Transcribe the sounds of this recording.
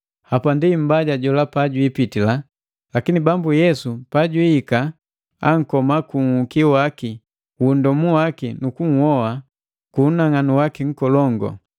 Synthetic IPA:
hapandim̩baɟaɟɔlapaɟwipitila | lakinibambujɛsupaɟwiːka | aŋ̩kɔmakuŋ̩hukiwaki | wundɔmuwakinukuŋ̩hɔwa | kunaŋanuwakiŋ̩kɔlɔŋɡɔ̰

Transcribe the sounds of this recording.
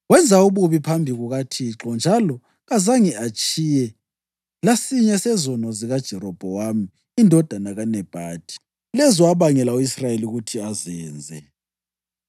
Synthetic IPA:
wɛnd͡zʱauβuβipʰambʱiɣuɣatʰiǁɔnd͡ʒʱalɔ | ɣazaŋiat͡ʃʼijɛ | lasiɲɛsɛzɔnɔziɣad̥ʒ̥ʱɛɾɔb̥ʱɔwami | indʱɔd̥ʱanaɣanɛb̥ʱaːd̥ʱi̥ | lɛzɔwaβaŋɛlauisrajeliuɣutʰiazɛːnd͡zʱɛ

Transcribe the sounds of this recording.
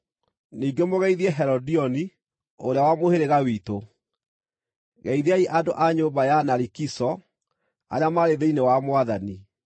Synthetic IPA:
niːɡemoɣɛiðiɛɦɛɾɔdiɔni | oɾeawamoheɾeɣawiːto | ɣɛiðeaiʔado̰ʔaɲoːmbajanaɾikisɔ | a̰ɾeamaɾeðeinewamoaðani

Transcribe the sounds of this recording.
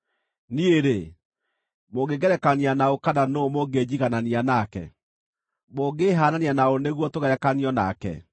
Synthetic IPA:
nieɾe | moɡeɣɛɾɛkanianaokananomoɡed͡ʑiɣananianakɛ̰ | moɡeɦaːnanianaoneɣwɔtoɣɛɾɛkaniɔna̰kɛ̰

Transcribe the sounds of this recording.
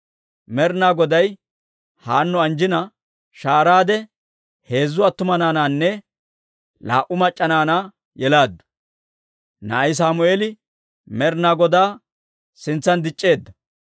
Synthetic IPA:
mɛɾnaːɡɔd̪ɐj | haːnːʊɐnd͡ʒɪnɐ | ʃaːɾaːd̪ɛ | he̞ːzːʊɐt̪ːʊmɐnaːnaːnːɛ | la̰ːʔʊmɐt͡ʃʼːɐnaːnaː | jɛlaːd̪ːɐ̥ | nɐɐjs̬aːmʊeːlɪ | mɛɾnaːɡɔd̪aː | sɪnt͡sːɐnd̪ɪt͡ʃʼːe̞ːd̪ːɐ

